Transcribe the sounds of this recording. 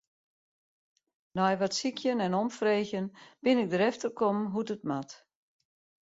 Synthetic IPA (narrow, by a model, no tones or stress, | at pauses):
nɔjʋɔtsikʰjənɛnomfreːxjənb̥ɪnɪɡ̚dəɾɛftərkomɦudət̚mat